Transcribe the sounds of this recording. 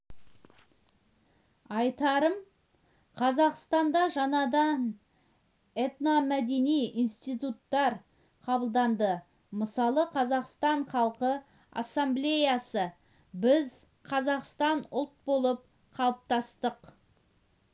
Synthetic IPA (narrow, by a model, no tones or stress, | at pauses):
ɑjt̪ɑɾəm | qʰɑzɑqst̪ɑnd̪ɑʒɑnɑd̪ɑn | et̪namæd̪e̞nijinst̪ijt̪ut̪ːɑɾ | qʰɑbəlˠd̪ɑnd̪ə | məsɑlˠəqʰɑzɑqst̪ɑɴχɑlˠqə | ɑ̰sːamblʲe̞jasə | bɪz | qʰɑzɑqst̪ɑnʊlˠt̪̚bo̞lˠəp̚ | qʰɑlˠəp̚t̪ɑst̪əq